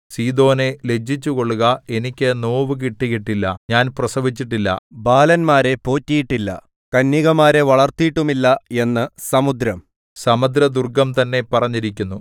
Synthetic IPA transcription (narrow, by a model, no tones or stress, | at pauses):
siːd̪o̞ːne̞le̞d͡ʑːit͡ɕːuko̞ɭːuɣɐe̞nikʲːɨno̞ːʋɨk̬iʈːiɣiʈːilːɐɲaːnprɐsɐʋit͡ɕːiʈːilːɐ̰baːlɐnmaːɾe̞po̞ːtːijiʈːilːɐ̰ | kɐnːiɣɐmaːɾe̞ʋɐɭɐrt̪ijiʈːumilːɐe̞nːɨsɐmud̪ɾɐm | sɐmɐd̪ɾɐd̪urɡɐmt̪ɐnːe̞pɐrɐɲːiɾikʲːunːu